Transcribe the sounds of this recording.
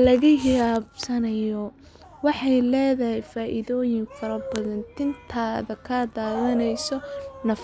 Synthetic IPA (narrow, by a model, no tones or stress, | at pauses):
lɐɣɐhɪɾaːbsɐnɐjɔ | wɑħɑjlɛːðɐɦɛjfaːʔɪðɔːjɪŋfɐɾɐbɐðɐnt̪ʰɪnt̪ʰaːðɐkʰad̪aːðɐnɛjsɔnɐf